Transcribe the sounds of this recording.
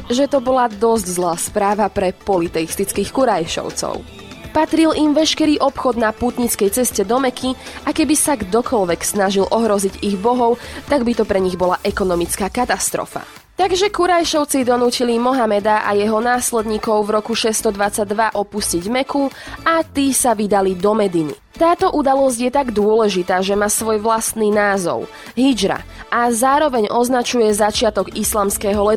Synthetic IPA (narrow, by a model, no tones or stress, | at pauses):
ʒɛt̪ɔbɔlad̪ɔzɟzlaːspɾaːʋapɾɛpɔlit̪ɛist̪it͡skiːxkuɾajʃɔ̰ʊt͡sɔ̰ʊ | pat̪ɾilʔimʋɛʃkɛɾiːʔɔpxɔd̪napuːt̪ɲit͡skɛjt͡sɛscɛd̪ɔmɛkʰiakɛbisaɡd̪ɔkɔlʋɛksnaʒilʔɔɦɾɔziɟiɣbɔɦɔʊt̪aɡbit̪ɔpɾɛɲiɣbɔlaʔɛkɔnɔmit͡skaːkat̪ast̪ɾɔ̰fa̰ | t̪aɡʒɛkuɾajʃɔʊt͡sid̪ɔnuːcilimɔɦamɛd̪aʔa̰jɛɦɔnaːslɛd̪ɲiːkɔʊvɾɔkuʃɛst̪ɔd̪ʋat͡saɟ̚d̪ʋaʔɔpusciɟmɛkuat̪iːsaʋid̪alid̪ɔmɛd̪inḭ | t̪aːt̪ɔʔud̪alɔzɟjɛt̪aɡd̪ʊɔlɛʒit̪aːʒɛmaːsʋɔjʋlast̪niːnaːzɔ̰ʊ | ɦid͡ʒɾa̰azaːɾɔʋɛɲʔɔznat͡ʃujɛzat͡ʃɪat̪ɔɡislaːmskɛːɦɔlɛ